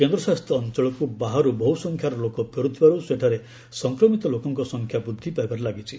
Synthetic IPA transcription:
kend̪ɾɔsast̪ʰjɔːnt͡ʃɔɭɔkubaɦaɾubɔɦusɔŋkʰjaɾɔlokɔpɔɾut̪ʰibaɾuseʈʰaɾe | sɔŋkɾɔmit̪ɔlokɔŋkɔsɔŋkʰjabud̪ʱːipaebaɾelaɡit͡ʃʰi

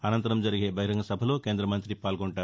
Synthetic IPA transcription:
ɐnɐnt̪ɐɾɐmd͡ʒɐɾiɡe̞ːbʱɐɦiɾɐŋɡɐsɐbʱɐlo̞ːke̞ːnd̪ɾɐmɐnt̪ɾipaːlɡoɳʈaːɾu

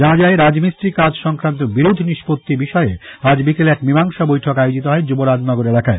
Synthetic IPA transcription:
anad͡ʑaeɾad͡ʑmisɾikad͡ʑʃɔŋkɾant̪̬obiɾod̪ʱniʃpot̪ːibiʃɔead͡ʑbikelɛkbimaŋʃabojʈʰokajod͡ʑit̪oɦɔed͡ʑuboɾad͡ʑnɔɡoɾelakae

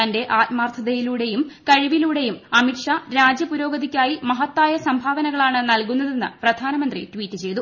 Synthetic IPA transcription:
ɐnde̞ʔaːtmaːrt̪ʰɐðɐjiluːɽe̞jumkɐɻiʋiluːɽe̞jumɐmiʈʂaɾaːd͡ʑjɐpuɾo̞ːɡɐðikʲːaːjimɐɦɐt̪ːaːjɐsɐmbʱaːʋɐnɐɣɐɭaːɳɨnɐlkunːɐðe̞nːɨ̰prɐd̪ʱaːnɐmɐnd̪rḭtwiːtːɨt͡ɕe̞jt̪u

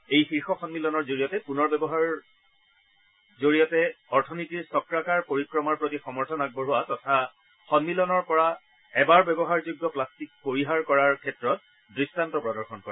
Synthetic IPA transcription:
ejxiɹxɔxɔnmilɔnɔɹzoɹijɔtɛpunɔɹbɛbɔɦaɹ | zoɹijɔtɛɔɹtʰɔnitiɹsɔkɹakaɹpoɹikɹɔmaɹpɹotixɔmɔɹtʰɔnaɡ̚bɔɹuwatɔtʰa | xɔnmilɔnɔɹpɔɹa | ɛbaɹbɛbɔɦaɹzuɡːɔplastik̚poɹiɦaɹkɔɹaɹkʰɛtɹɔt̚ | dɹistantɔpɹɔdɔɹxɔnkɔ̰ɹa

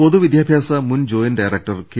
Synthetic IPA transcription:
od̪uʋid̪jaːbʱjaːsɐmund͡ʑoːjinɖajɾek̚ʈɐrke

